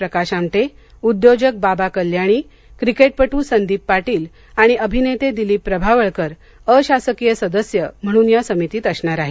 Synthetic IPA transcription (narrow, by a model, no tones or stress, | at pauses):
pɾəkaɕamʈ̪e | ud̪jod͡ʑək̚babakəljaɽ̃iː | kɾikeʈ̚pəʈuːsənd̪iːpːaʈiːl | aɽ̃iʔəbʱinet̪ed̪iliːpɾəbʱaʋəɭkəɾ | əɕasəkijəsəd̪əsjəm̤əɽ̃uːnjasəmit̪iːt̪əsɳaɾaɦe